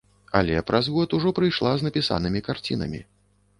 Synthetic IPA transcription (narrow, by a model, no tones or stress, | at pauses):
a̰lʲɛpɾʔazɣɔt̪uʐɔpɾɨjʂlˠaznɐpʲisa̰nɨmʲikart͡sʲḭnɐ̰mʲḭ